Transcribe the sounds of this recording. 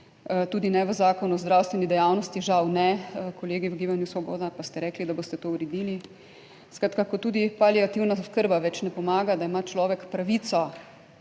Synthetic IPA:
t̪uːd̪inɛʋəzaːkɔnuɔzd̪ɾawst̪ʋɛnid̪ɛjaːwnɔst̪iʒawnɛkɔleːɡiwəɡiːbanjusʋɔbo̰ːd̪apast̪ɛɾɛːklid̪aboːst̪ɛt̪ouɾɛd̪iːli | skɾaːt̪kakɔt̪uːd̪ipaliat̪iwnaskəɾbaʋɛt͡ʃnɛpɔmaːɡad̪aimat͡ʃlɔːʋɛkpɾaʋit̪sɔ

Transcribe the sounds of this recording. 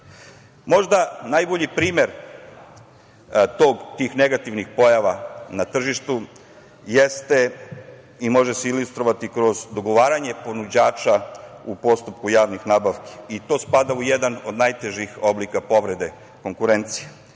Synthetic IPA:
mo̞ʒd̪anajboʎipɾiːme̞ɾ | t̪o̞ːɡt̪iːxneɡat̪iʋnixpo̞jaʋanat̪r̩ʒiʃt̪u | jest̪e | imo̞ʒeseilust̪ɾo̞ʋat̪ikɾo̞zd̪o̞ɡo̞ʋaːɾaɲe̞po̞nud͡ʑaːt͡ʃaupo̞st̪up̚kujaːʋnixnaːbaʋke̥it̪o̞ːspad̪aujed̪ano̞d̪najt̪eʒixo̞blikapo̞ʋɾe̞d̪e̞ | ko̞ŋkuɾe̞nt̪sije

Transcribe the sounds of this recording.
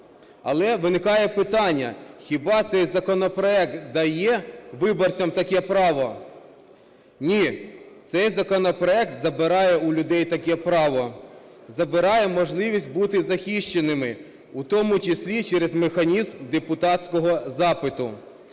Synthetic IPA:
ɐ̰lˠɛʋɪnɪkɑjɛpɪt̪ɑnʲːɐ̰xʲibɑt̪sɛjzɐkɔnɔpɾɔɛkt̪d̪ɐjɛʋɪbɔrt͡sʲɐmt̪ɐkɛpɾɑʋɔ | nʲit̪sɛjzɐkɔnɔpɾɔɛk̚t̪zɐbɪɾɑjɛʊlʲʊd̪ɛjt̪ɐkɛpɾɑʋɔ | zɐbɪɾɑjɛmɔʒlˠɪʋʲisʲt̚ʲbut̪ɪzɐxʲiʃt͡ʃenɪmɪ | ut̪ɔmʊt͡ʃɪsʲlʲit͡ʃɛɾezmexɐnʲizmd̪epʊt̪ɑtʲsʲkɔɦɔzɑpɪt̪ʊ̰

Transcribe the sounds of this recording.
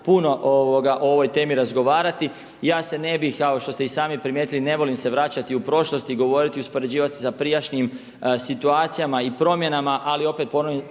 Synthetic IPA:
puno̞ʔoʋoɡaʔoo̞ʋo̞jt̪e̞ːmiɾazɡo̞ʋaːɾat̪i | jaːse̞ne̞bixaoʃt̪o̞st̪eisaːmipɾimjet̪iline̞ʋo̞limse̞ʋɾat͡ɕat̪iupɾo̞ʃlo̞st̪iɡo̞ʋo̞ːɾit̪iuspo̞ɾe̞d͡ʑiːʋat̪sesapɾijaʃniːm | sit̪uaːt̪sijamaipɾo̞mje̞namaʔalio̞pe̞t̪̚po̞noʋi

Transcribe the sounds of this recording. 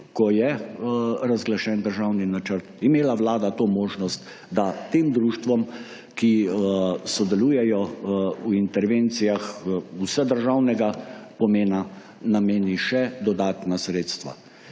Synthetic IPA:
kɔjɛ | ɾazɡlaʃɛnd̪əɾʒawninat͡ʃəɾt̪imeːlaʋlaːd̪at̪oːmoːʒnɔst̪ | d̪at̪eːmd̪ɾuːʃt̪ʋɔm | ki | sɔd̪ɛluːjɛjɔwint̪ɛɾʋeːnt̪sijaxusəd̪əɾʒawnɛɡapɔmeːna | nameːniʃɛd̪ɔd̪aːt̪nasɾeːt̪st̪ʋa̰

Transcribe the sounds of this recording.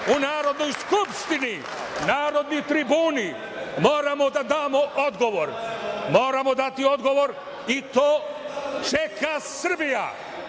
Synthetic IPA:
unaːɾo̞d̪no̞jskupʂt̪ini | naːɾo̞d̪nit̪ɾibuːni | mo̞ːɾamo̞d̪ad̪aːmoʔod̪ɡo̞ʋo̞ɾmo̞ːɾamo̞d̪at̪io̞d̪ɡo̞ʋo̞ɾ | it̪oːt͡ʃekʰasɨrbija̰

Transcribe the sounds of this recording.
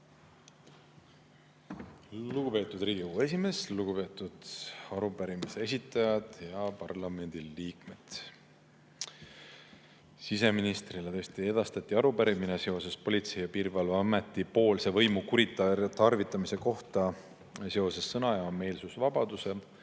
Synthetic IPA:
luɡ̥upe̞ːt̪ːˑud̪riːɡ̥ʲikuːe̞sime̞sluɡ̥upe̞ːt̪ːˑud̪̥ɑɾupæɾimise̞es̬ʲit̪ːˑɑjɑd̪̥jɑpɑrlɑme̞nʲd̪̥iliːk̚me̞d̪̥ | sise̞minist̪rilet̪ɤ̞st̪ie̞d̪̥ɑst̪ɑt̪ʲːˑiɑɾupæɾimine̞se̞o̞se̞spo̞lʲit̪se̞jɑpiːɾvɑlvɑɑme̞t̪ːˑipo̞ːlse̞vɤ̞jmukuɾit̪ːˑɑt̪ɑrvit̪ːˑɑmise̞ko̞ht̪ɑ | seo̞se̞sːɤnɑjɑme̞ːlsusvɑbɑd̪̥use̞

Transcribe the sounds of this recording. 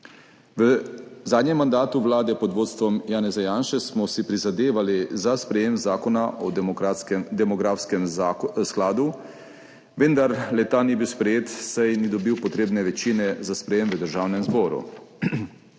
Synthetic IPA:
ʋəzaːd̪ɲɛmːand̪aːt̪uʋlaːd̪ɛpɔd̪ʋoːt̪st̪ʋɔmjaːnɛzajaːnʃɛsmɔsipɾizad̪eːʋalizaspɾɛjeːmzaːkɔnaʔɔad̪ɛmɔɡɾaːfskɛmsklaːd̪u | ʋend̪aɾlɛt̪anibiwspɾɛjeːt̪sajnid̪ɔbiwpɔt̪ɾeːbnɛʋɛt͡ʃiːnɛzaspɾɛjeːmʋəd̪əɾʒaːwnɛmzbɔːɾṵ

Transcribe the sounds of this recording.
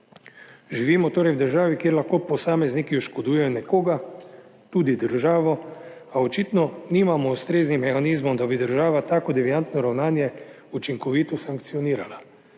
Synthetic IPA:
ʒiʋiːmɔt̪oːɾɛjwd̪əɾʒaːʋikjeːɾlaxkoːpɔsaːmɛznikiɔʃkɔd̪uːjɛjɔnɛkoːɡa | t̪uːd̪id̪əɾʒaːʋɔ | aɔt͡ʃit̪nɔniːmamɔust̪ɾeːznimːɛxaniːzmɔmd̪abid̪əɾʒaːʋat̪aːkɔd̪ɛʋiant̪nɔɾawnaːnjɛ | ut͡ʃiŋkɔʋiːt̪ɔsaŋkt̪sijɔniːɾala

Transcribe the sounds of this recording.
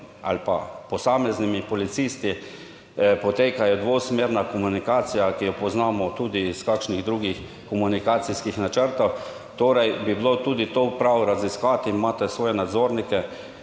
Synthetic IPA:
a̰lpa̰pɔsaːmɛznimipɔlit̪sist̪i | pɔt̪eːkajɔd̪ʋoːsmeːɾnakɔmunikaːt̪sijakijɔpɔznaːmɔt̪uːd̪iːskaːkʃniɣd̪ɾuːɡix | kɔmunikaːt̪siskixnat͡ʃəɾt̪ɔw | t̪oːɾajbiblot̪uːd̪it̪oːpɾawɾaziskaːt̪inmaːt̪ɛsʋoːjɛnad̪zoːɾnikɛ

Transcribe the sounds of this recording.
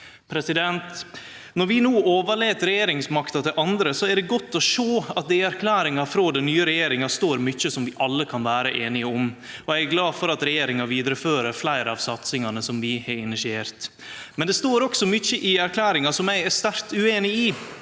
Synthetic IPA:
pʰɾɛsɪd̪ɛnt̪ | nɔɾʋɪnuːoːʋəɭeːt̪ɾɛjeːɾɪŋsmɑkt̪ɑt̪ʰɪlʔɑnd̪ɾəsɔæɖɛɡɔt̪ːɔʂoːɑt̪̚d̪ɛɪæɾkʰlæːɾɪŋɑfɾoːd̪ɛnnyːəɾɛjeːɾɪŋɑst̪oːɾmʏçəsɔmʋɪʔɑlːəkʰɑnʋæːɾəʔeːnɪəɔm | ɔæɪæɡlɑːfɔɾɑt̪ɾɛjeːɾɪŋɑʋiːd̪ɾəføːɾəɾflæɪɾəɑʋsɑt̪sɪŋɑnəsɔmʋɪhɑɾɪnɪsɪeːɾt̪ | mɛnd̪ɛst̪oːɾɔksɔmʏçəʔɪæɾkʰlæːɾɪŋɑsɔmæɪæɾst̪æɾt̪ʉeːnɪiː

